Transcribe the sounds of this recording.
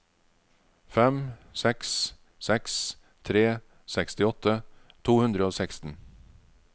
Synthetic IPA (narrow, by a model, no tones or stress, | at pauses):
fɛmsɛks | sɛks | t̪ʰɾeː | sɛkst̪ɪɔt̪ə | t̪ʰuːhʉnd̪ɾəoːsækst̪n̩